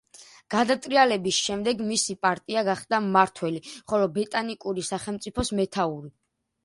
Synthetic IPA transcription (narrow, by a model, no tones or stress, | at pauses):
ɡ̥ad̪at̪ʼɾialɛbisʃɛmd̪ɛɡmisipʼaɾt̪ʼiaɡaχd̪amaɾt̪ʰwɛliχɔlɔbɛt̪ʼanikʼuɾisaχɛlmt̪sʼipʰɔsmɛt̪ʰauɾi